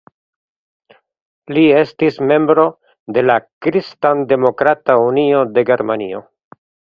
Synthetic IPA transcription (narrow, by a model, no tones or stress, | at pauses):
lie̞stisme̞mbɾo̞ | de̞lakɾistande̞mo̞kɾataunio̞de̞ɡe̞ɾmanḭo̞̰